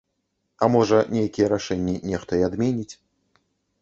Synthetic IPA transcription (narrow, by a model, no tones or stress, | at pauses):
ɐmɔʐɐnʲejakʲijɛɾaʂɛnʲːinʲɛxt̪ɐjɛad̪mʲenʲit͡sʲ